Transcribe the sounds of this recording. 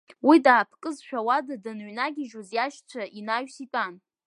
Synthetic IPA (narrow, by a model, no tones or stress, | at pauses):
widaːpʰkʼɨzʃᶣawadadɨnɥnaɡʲiʒuzjaʃt͡sʷʰaʔinaɥsitʼan